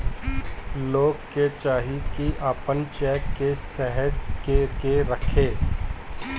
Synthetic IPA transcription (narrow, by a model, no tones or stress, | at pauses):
loːɡket͡ʃaːɦikiʔaːpənt͡ʃɛːkːesɛɦət̪kekeɾəkʰeː